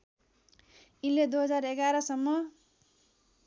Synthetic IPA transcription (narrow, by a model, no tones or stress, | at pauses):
inled̪uɦʌd͡zareɡaɾʌsʌmːʌ